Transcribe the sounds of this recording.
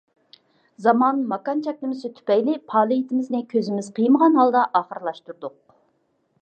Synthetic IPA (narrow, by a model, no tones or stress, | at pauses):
zɑmɑnmɑkɑnt͡ʃʰɛk̚ʲlɪmɪsɪt̪ʰy̥pɛjlɪpʰɑːlˠɨjit̪ʰɪmɪznɪkʲʰøzɪmɪzqʰijməʁɑnɦɑlˠd̪ɑʔɑːχəɾlˠɑʃt̪uɾd̪ʊq̚